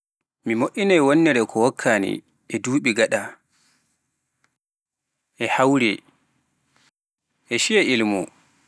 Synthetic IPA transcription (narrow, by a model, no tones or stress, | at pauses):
mimoʔinajwonːɛɾɛkʰɔwɔkʰːaːnḭ | ɛduːɓiɡaɗa | ʔɛhawɾi | ʔɛʃijɛilmṵ